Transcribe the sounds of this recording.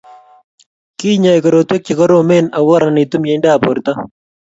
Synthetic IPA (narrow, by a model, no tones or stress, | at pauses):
kiːɲaːjkɐɾoːt̪wek̚t͡ʃikɐɾoːmeːnɐwːɐɾaniːt̪umjeɳɖaːpoɾt̪a